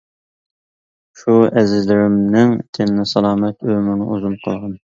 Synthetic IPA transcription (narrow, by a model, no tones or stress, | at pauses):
ʃuɛzɪzlɪɾɪmnɪŋt̪ʰɪnnɪsɑlˠɑːmɛt̪ømɪɾnɪʔuzumqʰəlˠʁɑn